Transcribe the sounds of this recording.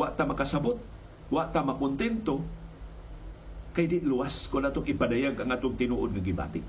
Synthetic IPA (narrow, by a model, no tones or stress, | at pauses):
waʔt̪amakasabʊt̪̚ | waʔt̪amakʊnt̪ɛnt̪o | kajdɪʔ̪luwaskʊndaːt̪ʊŋɪpadajaɡʔaŋʔaːt̪oŋt̪ɪnuʔod̪̚ŋaɡɪba̰ːt̪ɪʔ